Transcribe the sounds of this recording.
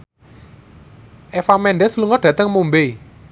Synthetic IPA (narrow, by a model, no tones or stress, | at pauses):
ʔɛfamɛnɖɛsluŋɔɖ̥ä̤t̪əŋmumbe